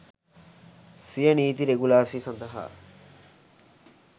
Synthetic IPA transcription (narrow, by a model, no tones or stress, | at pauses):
sijɐniːt̪iɾeɡulaːsisɐnd̪ɐɦa̰ː